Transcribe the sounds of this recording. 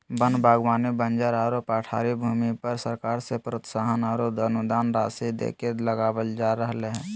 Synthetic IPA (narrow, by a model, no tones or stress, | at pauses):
bənbʱaːɡwaːnibənd͡ʒaɾaːɾoːpaʈʰa̰ːɾibʱuːmipəɾsəɾkaːɾsepɾot̪saːɦənaːɾoːd̪ənʊd̪aːnɾaːsid̪ḛːkeləɡaːwəld͡ʒaːɾəɦleɦɛ̃ː